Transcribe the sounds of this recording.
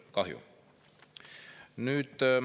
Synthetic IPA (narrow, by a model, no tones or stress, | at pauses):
kɑhjṵ | nyt̪